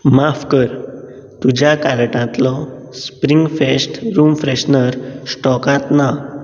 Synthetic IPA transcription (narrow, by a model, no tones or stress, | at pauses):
mafkəɾ | t̪ud͡ʑjakalʈãt̪lɔspɾiŋɡfesʈɾumfɾeɕnəɾsʈɔkãt̪na